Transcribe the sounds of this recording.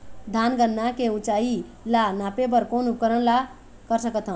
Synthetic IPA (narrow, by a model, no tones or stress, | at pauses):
d̪ʱanɡənːakeũt͡ʃai | lanapebəɾkonup̚kəɾənla | kəɾsəkət̪ʰɦə̃